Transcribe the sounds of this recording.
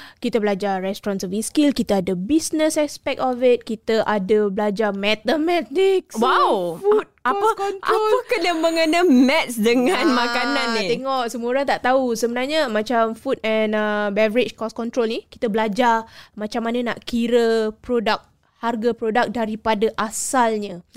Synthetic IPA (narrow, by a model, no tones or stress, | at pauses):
kit̪əbəlad͡ʒarɛst̪ɾansəviskilkit̪aadəbisnəsɛspɛk̚tɔfit̪̚kit̪əʔadəbəlad͡ʒamɛt̪əmɛt̪ik̚wawfut̚apaapakənəməŋənəmɛt̪̚sdəŋãnmakanãnːait̪eŋɔʔsəmuɾaŋt̪aʔt̪ausəbənarɲəmãt͡ʃamfut̪̚ɛnəbɛvəɾɪt͡ʃkɔskɔnt̪ɾolniki̥t̪əbəlad͡ʒarmãt͡ʃamːanəna̰ʔkiɾəpɾodak̚ | harɡapɾodak̚daɾipadaʔasalɲə̃